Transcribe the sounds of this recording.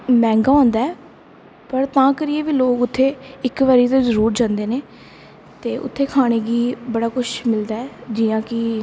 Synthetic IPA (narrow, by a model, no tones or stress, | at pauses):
mɛ̃ːŋɡaːɔ̃ːnd̪aːɛː | pəɾt̪ãːkəɾieːʋiːloːkʊt̪ʰːeːɪkʋaːɾiːt̪õːzəɾuːɾd͡ʒãːnd̪eːneː | t̪eːʔʊ̰t̪ʰːeːkʰaːɽ̃eːɡiːbəɽaːkʊʃmɪld̪aːɛːd͡ʒɪːjãːkɪ